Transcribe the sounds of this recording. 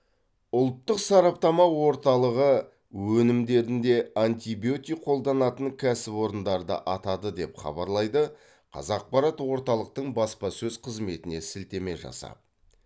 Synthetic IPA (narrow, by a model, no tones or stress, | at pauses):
ʊlˠt̪ːəqsɑɾɑp̚t̪ɑmɑwo̞ɾt̪ɑlˠəʁə | wɵnɪmd̪e̞ɾɪnd̪e̞ant̪ʲibiot̪ʲijqʰo̞lˠd̪ɑnɑt̪əŋkʲʰæsɪpwo̞ɾənd̪ɑɾd̪ə̰ʔɑt̪ɑd̪əd̪e̞pχɑ̰bɑɾlˠɑjd̪ə | qʰɑ̰zɑq̚pɑɾɑt̪wo̞ɾt̪ɑlˠəq̚t̪əɴbɑspɑsɵzqʰəzme̞t̪ɪne̞sɪlt̪e̞me̞ʒɑ̰sɑ̰